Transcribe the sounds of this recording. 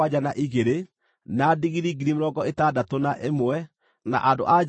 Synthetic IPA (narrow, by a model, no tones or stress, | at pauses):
ad͡ʒanaʔiɣeɾe | naːdiɣiɾiɡiɾimɾɔɡɔetadatonaʔemoɛ | na̰ʔando̰ʔa